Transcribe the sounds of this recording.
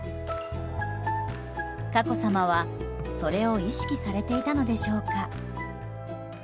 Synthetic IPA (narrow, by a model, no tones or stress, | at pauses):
kako̞samaβaso̞ɾe̞o̞iɕi̥kʲisaɾe̞t̪e̞it̪ano̞d̪e̞ɕo̞ːka